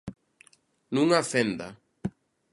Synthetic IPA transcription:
nũŋafend̪a̰

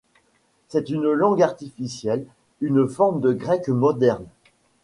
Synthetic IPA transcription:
sɛt̪ynlɑ̃ɡaʁt̪ifisjɛl | ynfɔʁmd̪əɡʁɛkmɔd̪ɛʁn

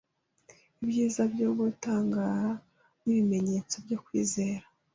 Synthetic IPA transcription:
ibjiːzabjoːβutaːŋɡaɾa | niβime̞ɲe̞t͡so̞bɟokwḭːze̞ːɾa

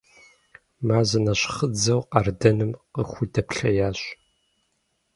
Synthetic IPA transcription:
maːzɐnɐɕχəd͡zɐwqɑrdɐnɨmqəxʷʊdɐpɬɐjaːɕ

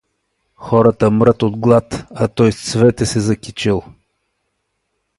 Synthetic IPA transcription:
xɔɾət̪əmɾət̪od̪ɡlˠat̪ɐt̪ɔjst̪svɛt̪ɛsɛzɐkʲit͡ʃilˠ

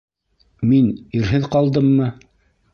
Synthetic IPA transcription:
miniɾɦɘðqɑlˠd̪ɤmːɤ

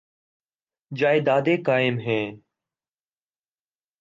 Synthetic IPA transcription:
d͡ʒaːɪːd̪aːd̪eːkaːɪmɦeː

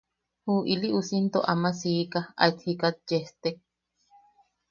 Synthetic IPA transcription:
huːʔiliʔusint̪oʔamasiːkaa̰it̪hikat̪̚d͡ʒeht̪ek̚

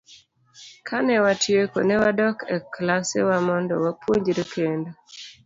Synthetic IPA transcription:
kʰanɛwatjeko̰nɛwadɔkɛklasḛwamɔndɔ̰wapwoɲd͡ʒɾekendo

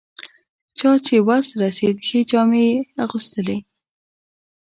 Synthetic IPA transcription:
t͡ʃɑt͡ʃewasɾased̪xed͡ʒɑmejaɣust̪əle

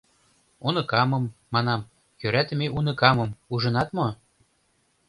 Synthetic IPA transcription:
unɤ̆kɑmɤ̆mːɑnɑm | jøɾæt̪ə̆meunɤ̆kɑmɤ̆muʒɤ̆nɑt̪mo

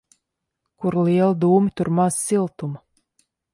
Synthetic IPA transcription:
kuɾlˠiɛlˠid̪uːmit̪uɾmaz̥silˠt̪um

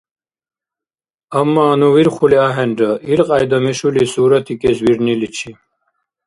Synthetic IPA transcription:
amːaːnuwiɾχuliaɦɛnɖəʔiɾqʼajd̪ɐmiʃulisuːɾat̪ʰikʼɛswiɾnilit͡ʃʰi

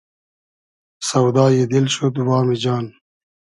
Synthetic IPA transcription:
sɐwd̪aːjed̪ilɕot̪ubaːmid͡ʑaːn

